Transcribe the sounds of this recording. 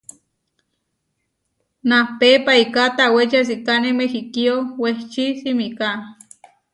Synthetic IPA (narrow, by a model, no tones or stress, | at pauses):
napepaikat̪awet͡ʃas̬ikanemexikioweht͡ʃisimika